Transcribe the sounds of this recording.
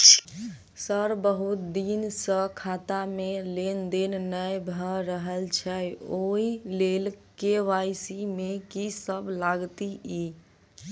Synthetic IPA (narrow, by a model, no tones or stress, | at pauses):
səɾbəɦut̪̚d̪insə̃kʰat̪amelend̪ennəjbʱəɾəɦəlt͡ʃʰɛoilelkeʋajsimekisəblaɡt̪ii